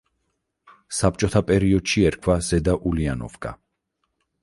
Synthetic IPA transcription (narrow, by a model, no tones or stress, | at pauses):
sap̚t͡ʃʼɔt̪ʰapʼɛɾiɔd̪̥ʃiɛɾkʰwaz̥ɛd̪aʔulianɔ̰vɡʼa̰